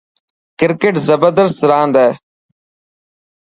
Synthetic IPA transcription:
kɪɾkeːʈzəbəɾd̪əɾst̪ɾãːnd̪ɛː

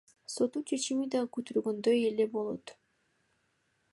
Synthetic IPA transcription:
so̞t̪uːt͡ʃʰe̞t͡ʃimid̪ɑkyt̪yɾɡønd̪øjele̞bo̞lˠo̞̰t̪

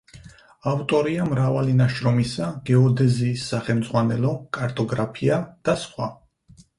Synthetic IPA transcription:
aft̪ʼɔɾiamɾavalinaʃɾɔmisaɡɛɔd̪ɛziːsːaχɛlmd̪zʁwanɛlɔkʼaɾt̪ʼɔɡɾapʰiad̪̥asχwa

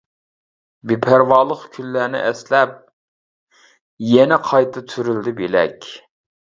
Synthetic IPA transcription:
bepʰæɾwɑːlˠəχkʲʰynːænɪ̰ʔɛslɛp̚ | jɛnɛqʰɑjt̪ʰɨt̪ʰyɾyld̪ɪbelɛ̰kʲ

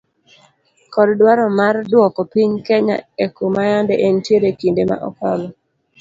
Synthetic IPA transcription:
kɔddwaɾɔmardwɔkɔpiɲkɛɲa̰ekumajandɛʔentjeɾekindema̰ʔɔkalɔ

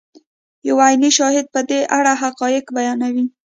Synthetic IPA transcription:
jawajniʃɑhɪd̪̚pəd̪eʔaɽaɦaqɑjɪkbajɑnawi

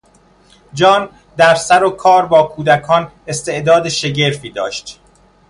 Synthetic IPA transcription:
d͡ʒɒːn | d̪æɾsæɾokʰɒːɾbɒːkʰuːd̪ækʰɒːn | e̞st̪e̞ʔd̪ɒːd̪eʃe̞ɟe̞ɾfiːd̪ɒ̰ːʃt̪

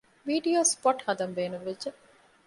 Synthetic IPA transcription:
ʋiːɖioːspɔʈhɐd̪ɐmʋeːnuʋʋeːe

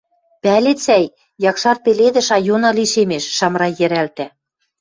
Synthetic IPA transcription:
pælet͡sæj | jɑkʃɑr̚peled̪ɘ̆ʃɑjonɑliʃemeʃːɑmɾɑjɘ̆ɾælt̪æ

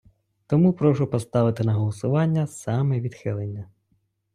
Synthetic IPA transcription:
t̪ɔmupɾɔʃʊpɔst̪ɑʋɪt̪ɪnɐɦɔlˠɔsʊʋɑnʲːɐsɑmɛʋʲid̪xɪlˠenʲːɐ

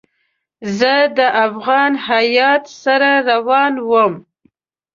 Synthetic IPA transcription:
zəd̪əʔafɣɑnhajɑt̪saɾaɾawɑnwəm

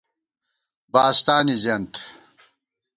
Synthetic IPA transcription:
baːst̪aːnizɐnt̪

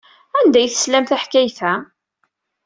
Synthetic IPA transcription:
ænd̪æjθə̥slæmθæħkæjθæ

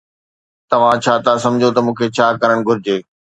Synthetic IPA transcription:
t̪ɐʋ̤ãt͡ɕʰaːt̪asɐ̃md͡ʑʱot̪ɐmũːkʰet͡ɕʰaːkɐɾəɽ̃ɡʱʊɾɪd͡ʑeː

